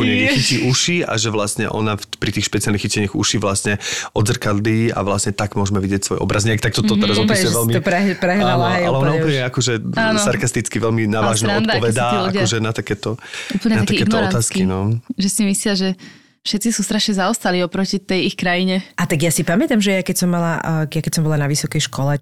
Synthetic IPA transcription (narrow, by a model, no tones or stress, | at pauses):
ɔɲɛɛxiciʔuʃia̰ʒɛʋlasɲɛ̰ʔɔ̰nafpɾit̪iːxʃpɛt͡sialnixicɛɲɪaɣṵʃiʋlasɲɛɔd̪zr̩kad̪liːa̰ʋlasɲɛt̪aɡmʊɔʒmɛʋiɟɪɛcsʋɔ̰jɔ̰bɾazɲɪkt̪ak̚t̪ɔt̪ɔt̪zɔt̪ɛʋɛlmiɛpɾɛɦalnɔɦɛalɛɔnaupl̩ɲɛakɔʒɛaːnsaɾkast̪it͡skiʋɛlminaːʋaːʒnɛaɔnd̪ɔʋɛd̪aaluakɔʒɛnat̪akɛːt̪ɔupl̩ɲɛt̪naat̪akɛːnɔɔt̪aːsskkinɔʒɛsimislɪaʒɛ | fʃɛt̪t͡sisust̪ɾaʃɲɛzaɔst̪aliɔpɾɔcit̪ɛjixkɾajiɲɛat̪aɡjasipamɛt̪amʒɛjakɛcsɔmːalajakɛcsɔmbɔlanaʋisɔkɛjʃkʰɔlɛ